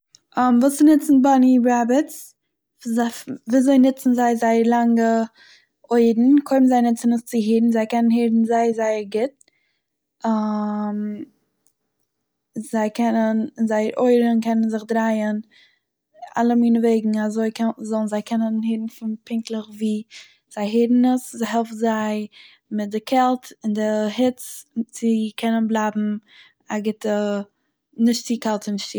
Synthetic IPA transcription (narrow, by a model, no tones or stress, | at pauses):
ʔamvuːsɪnɪt͡sn̩banibɾabət͡s | zaviːzoɪnɪt͡sn̩zaɪzaɪəɾlˠaŋɡə | oɪdn̩kʰoɪbn̩zaɪnɪt͡sɪnɪst͡sɪɦiːdn̩zaɪkɛnənheːdn̩zaɪəzaɪəɾɡɪt̚ | am | zaɪkʰɛnənzaɪəɾʔoɪɾnkʰɛnənzɪχdɾaɪən | a̰lˠəmiːnəveɪɡŋ̩azoɪkʰɛzɔlˠn̩zaɪkʰɛnənheːɾn̩fɪnpɪŋklˠəχviː | z̥aɪɦeɪɾn̩əszaɪɦɛlˠftzaɪ | mɪt̚dɪkʰɛlˠtɪndɪhɪt͡st͡sɪkʰɛnənblˠaɪbm̩ | aɡɪtə | nɪʃtt͡sikɛlˠtɪnɪʃt͡si